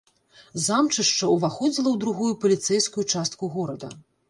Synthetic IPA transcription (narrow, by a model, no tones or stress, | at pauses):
zamt͡ʂɨʂt͡ʂɐuvaxɔd͡zʲilˠɐwd̪ɾuɣujupɐlʲit̪sɛjskujut͡ʂast̪̚kuɣɔɾɐd̪ɐ̰